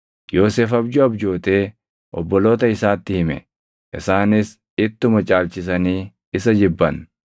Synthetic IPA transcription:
jo̞ːseːfɐbd͡ʒʊɐbd͡ʒoːt̪e̞ː | ʔɔ̰bːɔlo̞ːt̪ɐɪsaːt̪ːɪhɪmɛ | ʔɪsaːnɪs | ɪt̪ːʊmɐt͡ʃʼaːlt͡ʃɪs̬ɐniː | ɪsɐd͡ʒɪbːɐn

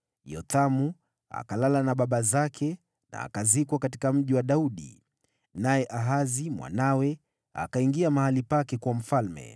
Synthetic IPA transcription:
jɔt̪amu | a̰kalalanaɓaɓazakʰɛ | na̰ːkazikwakati̥kam̩ʄiwaɗauɗḭ | najɛʔaɦazimwʔa̰nawɛ | a̰kaiŋɡiamahalipakɛkwam̩falmɛ̰

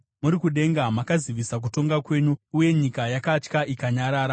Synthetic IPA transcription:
muɾikuɗe̞ŋɡamakaziʋisak̬uto̞ŋɡakwe̞ːɲuuje̞ɲikajakat͡ʃkaʔikaɲaɾaːɾa

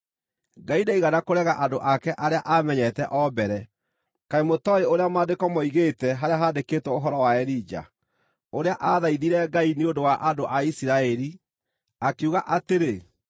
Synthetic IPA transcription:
ɡaidaiɣanakoɾɛɣaʔadoʔakɛʔaɾeaʔamɛɲɛtɛʔɔbɛɾɛ | kaemotɔeoɾeamaːdekɔmɔiɣetɛɦaɾeaɦaːdeketwɔoɦɔɾɔwaɛɾid͡ʒa̰ | oɾeaʔaðaiðiɾɛɡaineondowaʔadoʔaisiɾaɛɾi | akeuɣaʔateɾe

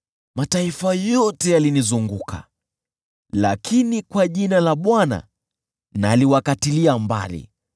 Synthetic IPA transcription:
mataifajɔtɛjalinizuŋɡukʰa̰ | lakʰinikwaʄinalaɓwana̰ | naliwakatiliamba̰lḭ

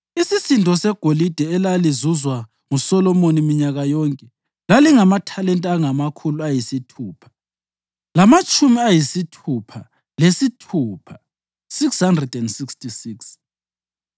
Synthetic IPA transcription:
isisindʱɔsɛɡ̥ʱolid̥ʱɛɛlalizuzwa | ŋusɔlɔmonimiɲaɣajɔŋkʼɛ | laliŋamatʰalɛntʼaŋamakʰuluajisitʰuːpʰḁ | lamat͡ʃʼumiajisitʰupʰa | lesitʰuːpʰa | sikshandrɛdɛndsikstisiks

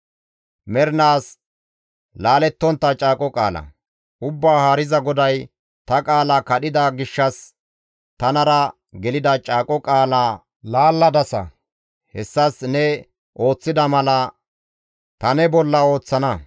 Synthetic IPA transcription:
mɛɾnaːs | laːlɛt̪ːɔnt̪ːɐt͡ʃʼaːkʼɔkʼa̰ːlɐ̰ | ʔʊbːaːhaːɾɪzɐɡɔd̪ɐj | t̪ɐkʼaːlɐkɐɗɪd̪aɡɪʃːɐs | t̪ɐnɐɾɐ | ɡɛlɪd̪ɐt͡ʃʼaːkʼɔkʼaːlaː | laːlːɐd̪ɐsɐ̰ | hɛsːɐsnɛ | ʔo̞ːt͡sːɪd̪ɐmɐlɐ | t̪ɐnɛbɔlːɐo̞ːt͡sːɐnɐ

